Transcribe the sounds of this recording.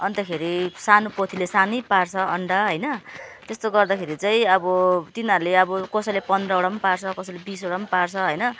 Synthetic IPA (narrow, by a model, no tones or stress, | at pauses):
ʌnt̪ʌkʰeɾisanopot̪ʰilesanʌjpart͡sʰʌʌɳɖaɦʌjnʌt̪est̪oɡʌrd̪akʰeɾit͡sʌj̃ʌbʌt̪inʌɾuleʌbʌkʌsʌlepʌnd̪rʌoɽʌmparsʰʌkʌsʌlebisoɽʌmpart͡sʰʌɦʌjnʌ